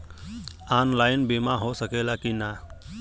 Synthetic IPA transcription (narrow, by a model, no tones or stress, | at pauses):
anlaːɪnbemaɦosəkelakina